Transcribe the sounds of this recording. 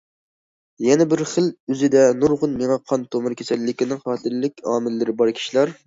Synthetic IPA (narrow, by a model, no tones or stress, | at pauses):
jɛnɛbɪɾχəlyzɪd̪ɛnuɾʁʊnmeŋɑqʰɑnt̪ʰomɨɾkʲʰesɛlːɪkʲinɪŋχɑːt̪ʰɨɾlɪkʲɑːmɪlːɪɾɪbɑɾkʲʰi̥ʃilˠɑɾ